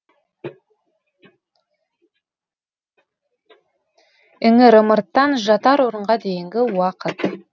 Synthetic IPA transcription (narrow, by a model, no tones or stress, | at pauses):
ʏŋɪɾəməɾt̪ːɑnʒɑt̪ɑɾwoɾəɴʁɑd̪e̞jɪŋɡʲɪwɑqət̪